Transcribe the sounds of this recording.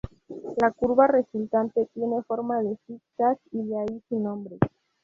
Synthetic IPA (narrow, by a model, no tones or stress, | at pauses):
lakuɾβare̞sult̪ant̪e̞t̪je̞ne̞fo̞ɾmaðe̞fik̚t̪asiðeaisinõ̞mbɾe